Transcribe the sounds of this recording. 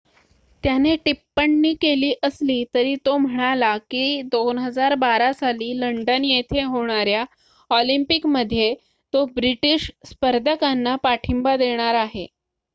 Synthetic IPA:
t̪janeʈipːəɳːiːkeliːʔəsliːt̪əɾiːt̪om̤əɽ̃alakid̪onɦəd͡zaɾbaɾasaliːləɳɖənjet̪ʰeɦoɽ̃aɾja | ɔlimpikməd̪ʱːje | t̪obɾiʈiɕspəɾd̪ʱəkanːapaʈʰimbad̪eɽ̃aɾaɦe

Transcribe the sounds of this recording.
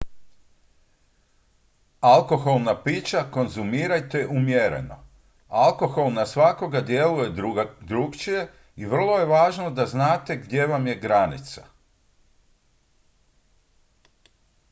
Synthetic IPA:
alˠko̞xo̞lˠnapiːt͡ʃako̞nzumiːɾajt̪e̞jʔumjeɾḛno̞̰ | alˠko̞xo̞lˠnasʋako̞ɡad̪je̞luje̞d̪ɾuɡt͡ʃije̞ | iʋr̩lˠo̞je̞ʋaːʒno̞d̪aznaːt̪e̞ɡd̪je̞ʋamje̞ɡɾanḭt̪sḁ

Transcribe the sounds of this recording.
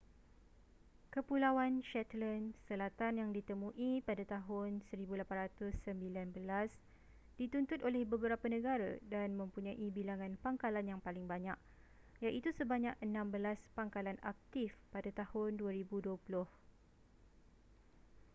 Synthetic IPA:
kəpulawanʃɛt̪lənsəlat̪anjaŋdit̪əmũʔipadat̪aɦʊnsəɾibulapanrat̪ʊsːəmbilanbəlas | d̥it̪unt̪ʊt̪olɛhbəbəɾapanə̃ɡaɾa̰danmə̃mpuɲãʔibilaŋãnpaŋkalanjaŋpalɪŋbaɲa̰k | jaʔit̪usəbaɲakənãmbəlaspaŋkalana̰k̚t̪ifpadat̪ahʊnduaɾibuduəpulʊh

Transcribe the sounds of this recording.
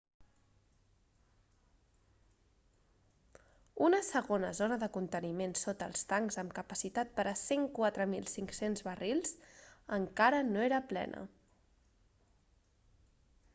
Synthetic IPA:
unəsəɣonəzonəðəkunt̪ənimensot̪ə̰lˠst̪aŋzəmkəpəsit̪at̪̚pəɾəseŋkwat̪ɾəmilˠsiŋksenzβərilˠzəŋkaɾənoeɾəplɛ̰nʔə̰

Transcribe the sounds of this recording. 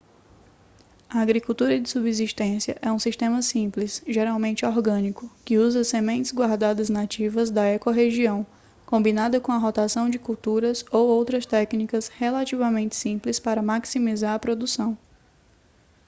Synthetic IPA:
ɐaɡɾikut̪uɾɐd͡ʒɪsubiziʃt̪ẽsiɐʔɛũsiʃt̪ẽmɐsĩplɪsʒeɾawmẽnt͡ʃɪɔɾɡɐ̃nikʊkɪuzɐsemẽnt͡ʃɪzɡwaɾd̪ad̪ɐznat͡ʃivɐzd̪ɐɛkoɦeʒiɐ̃w̃ | kõmbinad̪ɐkõɐɦɔt̪asɐ̃w̃d͡ʒɪkuwt̪uɾɐzowowt̪ɾɐst̪ɛknikɐshelat͡ʃivɐmẽnt͡ʃɪ̥sĩplɪspaɾɐmaksimizaɾɐpɾod̪usɐ̃w̃

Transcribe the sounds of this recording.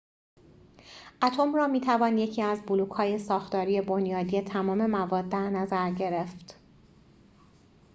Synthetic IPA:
ʔæt̪ʰo̞mrɒːmiːt̪ʰævɒːnje̞cʰiːæzbuluːkhɒːje̞sɒːxt̪ɒːɾiːe̞bonjɒːd̪ie̞t̪ʰæmɒːme̞mævɒːd̪ːæɾnæzæɾɟe̞ɾe̞ft̪

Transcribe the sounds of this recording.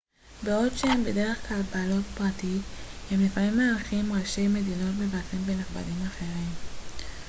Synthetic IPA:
beo̞dʃehembede̞ʁe̞χklalbaːlo̞tpʁatithemlefamimːaːʁχimʁaʃe̞jme̞dino̞tbevafimbenaχba̰limaχeʁim

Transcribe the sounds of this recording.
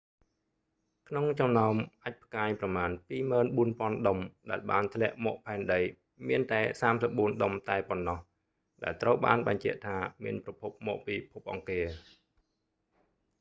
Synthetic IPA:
kʰnoŋt͡ɕɑmnaɔmʔac̚pʰəkaːjprɑmaːnpiːməːnɓuənpŏənɗəmɗaɛlɓaːnt̪ʰlɛ̆əʔmɔːʔpʰaɛnɗəj | miənt̪aɛsaːmsəp̚ɓuənɗəmt̪aɛponːɑh | ɗa̰ɛlt̪rəwɓa̰ːnɓɑɲt͡ɕɛ̆əʔt̪ʰaːmiənprɑpʰup̚mɔːʔpiːpʰup̚ʔɑŋkiə

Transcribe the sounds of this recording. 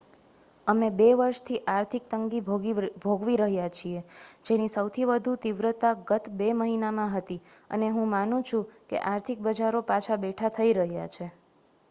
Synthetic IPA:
əmebeʋəɾʃt̪ʰiʔaɾt̪ʰik̚t̪əŋɡibbʱoɡʋiɾəɦjat͡ʃʰied͡ʒenisəwt̪ʰiʋəd̪ʱut̪iʋɾət̪aɡət̪beməɦinamãɦət̪i | ə̰neɦũmanũt͡ʃʰũkḛʔaɾt̪ʰik̚bəd͡ʒaɾopat͡ʃʰabeʈʰat̪ʰəiɾəɦjat͡ʃʰe

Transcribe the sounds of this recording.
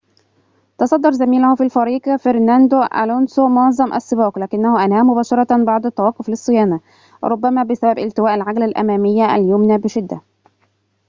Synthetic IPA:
t̪ɑsˤɑd̪ːɑɾˤzæmiːlʊhʊfiːlfɑɾiːɡfeɾnænd̪ʊʔa̰lonsomʊɑʕzˤɑmʔa̰sːɨbɑːqlæːkɪnːæhʊʔænhæːmʊbæːʃɑɾˤɑbɑʕd̪ˤat̪ːɑwɑːqːoflɪsˤːɨjæːna | w̰ɾˤʊbːæmæːbɪsæbæbʔɪlt̪ɪwæːʔalʕaɡlalʔæ̰mæːmɪjːaʔæ̰ljʊmnabɪʃɪd̪ːæ

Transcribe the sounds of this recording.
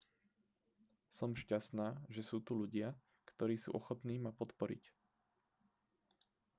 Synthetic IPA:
sɔmʃcast̪naːʒɛsuːt̪uʎuɟɪa | kt̪ɔɾiːsṵːʔɔxɔt̪niːmapɔt̪pɔɾḭc

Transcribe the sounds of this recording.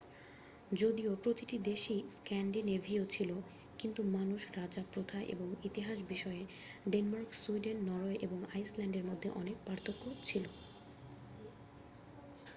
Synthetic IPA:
d͡ʑod̪iopɾot̪iʈid̪eʃiskɛnɖinevʱiot͡ɕʰilo | kint̪umanuʃɾad͡ʑapɾot̪ʰaʔḛboŋit̪iɦaʃbiʃɔe | ɖenmaɾksuiɖenːɔɾoeʔeboŋajslɛɳɖeɾmod̪ʱːeʔɔnekpaɾt̪ʰokːot͡ɕʰilo

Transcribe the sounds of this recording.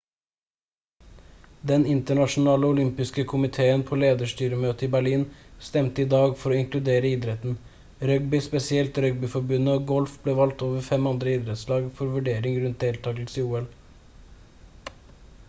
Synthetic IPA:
d̪ɛnɪnt̪əɳɑʃn̩ɑːləʊlʏmpɪskəkʰʊmɪt̪ʰeːənpʰoːleːd̪əʃʈyːɾəmøːt̪əiːbæɭiːnst̪ɛmt̪əiːd̪ɑːɡfɔɾoːɪŋklʉd̪eːɾəiːd̪ɾɛt̪n̩ | ɾœɡ̚bʏspɛsɪɛlt̪ɾœɡ̚bʏfɔɾbʉnəoːɡɔlfbleːʋɑlt̪oːʋəɾfɛmɑnd̪ɾəiːd̪ɾɛt̪slɑːɡfɔɾʋʉɖeːɾɪŋɾʉnt̪̚d̪eːlt̪ʰɑːɡl̩siːuːɛl

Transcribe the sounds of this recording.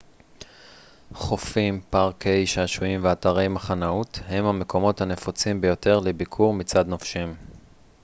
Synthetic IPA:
χofimpaʁkʰejʃaaʃuimveataʁe̞jmaχanauthe̞mhame̞kʰo̞mo̞thane̞fot͡simbejo̞te̞ʁlebikʰuʁmit͡sad̪nofʃim

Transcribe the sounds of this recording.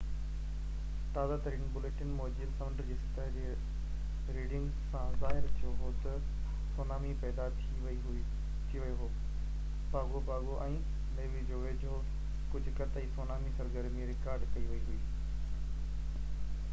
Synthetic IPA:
t̪aːzat̪ɐɾiːnbʊleːʈɪnmoːd͡ʑilsɐʋəɳɖəɾd͡ʑeːsɪt̪aːd͡ʑeː | ɾiːɖɪ̃ŋɡ | sãzaːɦɪɾt̪ʰijoɦoːt̪ɐ | soːnaːmipɛːd̪at̪ʰ | t̪ʰiʋɐjoɦoː | baːɡobaːɡoʔɛ̃ː | neːʋid͡ʑoːʋeːd͡ʑɦoː | kʊd͡ʑʱʊkɐt̪aisoːnaːmisɐɾɡəɾmẽɾɪkaːɾɖkɐiʋɐiɦʊiː

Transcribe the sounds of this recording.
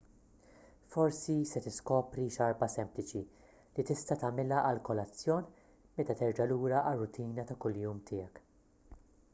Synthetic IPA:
fɔɾsisɛt̪ɪskɔːpɾiʃɐɾbɐsɛmplɪt͡ʃi | lit̪ɪst̪ɐt̪ɐmɪlɐʔɐlkɔlɐt͡sːjɔːn | mɛt̪ɐt̪ɛɾd͡ʒɐluːɾɐʔɐrːʊt̪ʰiːnɐt̪ɐkʊljuːmt̪ʰɪːjɛk

